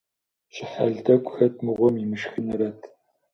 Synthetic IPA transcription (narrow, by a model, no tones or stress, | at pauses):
ɕɪħa̰ɮdɐkʷʼxɐt̚ʰmɨʁʷɔmimɨʃxɨnɐɾɐtʰ